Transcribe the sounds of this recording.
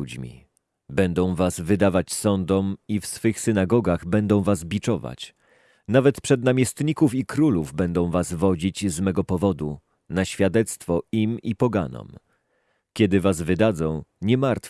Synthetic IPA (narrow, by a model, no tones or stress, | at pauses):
ud͡ʑmʲḭ | bɛnd̪ɔ̃w̃vasvɘd̪avat͡ɕsɔnd̪ɔmifsfɘxsɘnaɡɔɡaɣbɛnd̪ɔ̃w̃vazbʲit͡ʂɔva̰t͡ɕ | navɛt̪pʂɛd̪namʲjɛst̪ɲikufikɾuluvbɛnd̪ɔ̃w̃vasvɔd͡ʑit͡ɕzmɛɡɔpɔvɔd̪u | naɕfʲjad̪ɛt̪st̪fɔimipɔɡa̰nɔ̰m | kʲɛd̪ɘvazvɘd̪ad̪zɔ̃w̃ɲɛmaɾt̪f